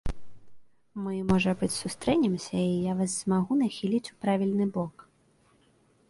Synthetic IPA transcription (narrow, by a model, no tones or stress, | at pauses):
mɨmɔʐɐbɨt͡sʲsust̪ɾɛnʲɛmsʲɐijaʋazz̥maɣunɐxʲilʲit͡sʲu̥pɾaʋʲilʲnɪbɔk